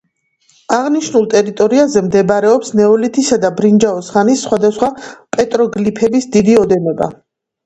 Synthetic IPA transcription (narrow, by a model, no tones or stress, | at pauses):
aʁniʃnulˠt̪ʼɛɾit̪ʼɔɾiazɛmd̪ɛbɾɛɔpsnɛɔlit̪ʰisad̪abɾind͡ʒaɔsχanisːχwad̪asχwapʼɛt̪ʼɾɔɡlipʰɛbisd̪id̪iɔd̪ɛnɔba̰